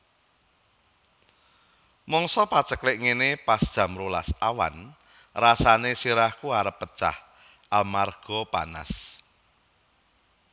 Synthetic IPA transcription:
mɔŋsɔpḁt͡ʃəklɪʔŋenepasd̥ʒ̥ä̤mɾola̰sawa̰n | rasanesiɾahkuaɾəpːə̥t͡ʃa̰h | ʔalmarɡ̥ɔpa̰na̰s

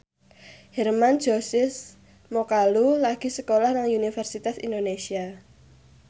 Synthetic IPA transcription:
hɛrmand̥d͡ʒ̥ɔsɪs | mokalulaɡ̥i̤səkolahnaŋunifɛrsit̪asḭndonesia

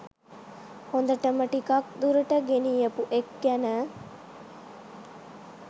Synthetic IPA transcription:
hond̪ɐʈəmɐʈikak̚d̪uɾɐʈəɡeniːɐpuʔekɡænə

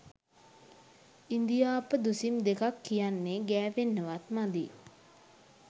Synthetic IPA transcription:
ind̪ijaːpəd̪usimd̪ekakːijanːeɡæːʋenːəʋat̪mad̪i

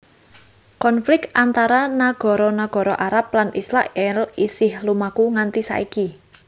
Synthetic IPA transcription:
kɔnflɪk̚t̪ʔant̪aɾanaɡ̥ɔ̤ɾɔnaɡ̥ɔ̤ɾɔʔaɾap̚lanʔislaʔɛlisɪhlumakuŋant̪isa̰ʔiki

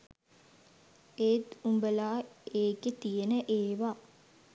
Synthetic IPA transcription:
eːt̪umbəlaːeːket̪ijənəʔeːʋa

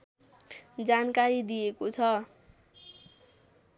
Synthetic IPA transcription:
d͡zankaɾid̪ijekot͡sʰʌ

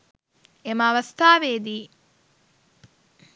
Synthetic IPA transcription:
eməːʋɐst̪aːʋeːd̪iː

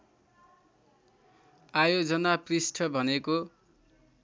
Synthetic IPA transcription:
ajod͡zʌnaprisʈʰʌbʱʌneko

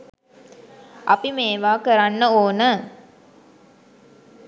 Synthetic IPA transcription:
ʔapimeːʋaːkəɾanːəoːnə

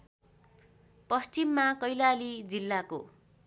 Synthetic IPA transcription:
pʌst͡simːakʌjlalid͡zilːako

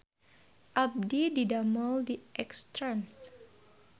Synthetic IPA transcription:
ʔab̚dididaməldiʔɛkst̪ɾams

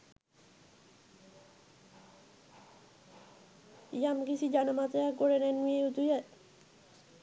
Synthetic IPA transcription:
jamkit͡ɕʰid͡ʑanamat̪ajakoɾenɛnieut̪uja

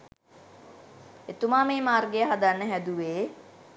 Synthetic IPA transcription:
et̪umaːmeːmaːrɡejəɦad̪anːəɦæd̪uʋeː

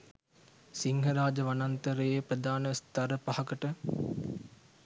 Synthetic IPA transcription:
siŋɦɐɾaːd͡ʒəʋanant̪əɾəjepɾəd̪ʱaːnəst̪ɐɾəpahɐkəʈə

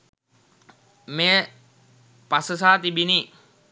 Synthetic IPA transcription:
meː | pasəs̬aːt̪ibini

